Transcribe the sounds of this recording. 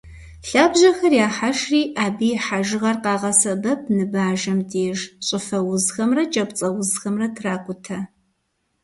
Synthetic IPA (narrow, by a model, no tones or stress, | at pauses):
ɬaːbʑɐxɐrjaːħaʃriːʔaːbiːħaʒɨʁɐrqɑːʁɐsɐbɐp̚ʰnɨbaːʒɐmdeːʒɕʼɪfɐwʊzxɐmrɐt͡ʃʼɐpt͡sʼɐwʊzxɐmrɐtʰraːkʷʼʊtʰɐ